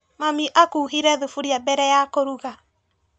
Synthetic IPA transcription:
mamiʔakuːɦiɾɛðufuɾiabɛɾɛjakoɾuɣa

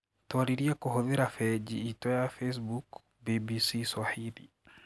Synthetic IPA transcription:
twaɾiɾiakuɦɔðɛɾafɛd͡ʒḭːtɔjafes̬buk | bibisiswahilḭ

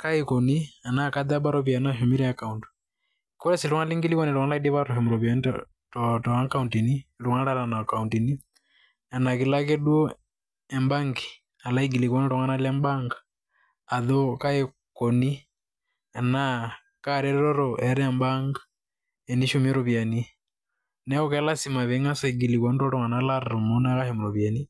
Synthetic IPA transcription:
kaikɔnianakaðabaɾɔpianaʃumiɾɛjakauntu̥ | kɔɾɛsiluŋaliŋɡilikɔnɛlɔŋalaidɛβaɾɔfɛmuɾɔβjɔn | tɔtɔakauntiniluŋalalanakauntini | anakilak̬ɛdwɔ | ɛmbaŋɡi | alaiɡilikɔnɛɾɔŋanalɛmbaŋɡaː | ðɔkaɛ | kɔni | ɛna | kaɾɛɾɛɾɔɾɔʔɛɾɛɛmbaŋɡa | ɛniʃumiɾɔβjani | nɛɔkɛlasimaβeŋasaiɡilikɔntɔɾɔŋanalaɾɾumunakahɛmuɾɔβjani

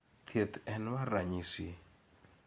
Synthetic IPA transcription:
t̪ʰet̪ɛnwaraɲisi

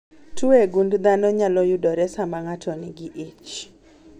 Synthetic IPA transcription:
tʰueɡundd̪anɔɲalɔjudɔɾɛsamaŋatʰɔniɡiʔit͡ʃ

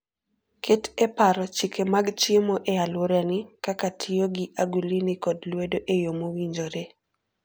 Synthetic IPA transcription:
kʰetepaɾɔt͡ʃikʰemaɡt͡ʃɪmoʔealwoɾanɪkakatʰɪoɡiʔaɡulinɪkɔdlwedoʔejomowiɲd͡ʒoɾe

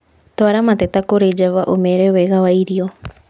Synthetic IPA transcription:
toaɾamat̪etakoɾed͡ʒaβaʔomeɾeweɣawaiɾio

